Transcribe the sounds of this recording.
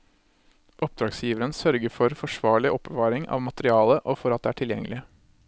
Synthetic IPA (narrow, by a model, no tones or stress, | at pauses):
ʔɔp̚d̪ɾɑːɡsjiːʋəɾənsœɾɡəfɔɾfɔʂʋɑːɭɪʔɔpbəʋɑːɾɪŋʔɑ̰ːʋmɑt̪əɾɪɑːləʔofɔɾɑt̪̚d̪ːæːʈʰɪljɛ̰ŋːəlɪə